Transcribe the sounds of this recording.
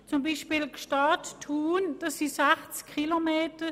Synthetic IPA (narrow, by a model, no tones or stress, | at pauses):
t͡sumbiːʃpiːlkʃtɑːttʰuːnd̥ɑsisɛχt͡skʰːilomeːtə